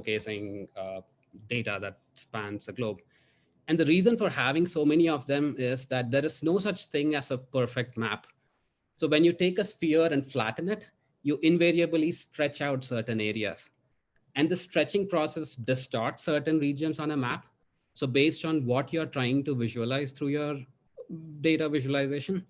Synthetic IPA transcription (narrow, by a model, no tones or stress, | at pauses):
keːsɪ̃ŋ | ɖeːʈa̰d̪æʈ̚spæ̃nsəɡloːb | æ̃nd̪əɾiːzə̃nfɔɾhæʋɪ̃ŋsoːmɛniɔʋd̪ɛ̃mɪzd̪æʈ̚d̪eɾɪznoːsʌt͡ʃt̪ʰɪ̃ŋæzəpəɾfɪk̚ʈ̚mæ̰p | soːʋɛ̃njuʈeːkəsfiəɾæ̃ɳnɖflæ̰ʈnɪʈ | juːʔɪ̃nʋeːɾiəblisʈɾɛt͡ʃaʊʈsəːɾʈə̃neːɾia̰z̥ | æ̃nɖd̪əsʈɾɛt͡ʃɪ̃ŋpɾɔːsɛsɖɪsʈaːɾʈsəːɾʈə̃nɾiːd͡ʒə̃nsɔ̃ːnəmæp | soːbeːsʈɔ̃ːnʋɔʈjuəɾʈɾaɪɪ̃ŋʈuʋɪʒuəlaɪz̥t̪ʰɾuːjəɾ | ɖeːʈaʋɪʒuəlaɪzeːʃə̃n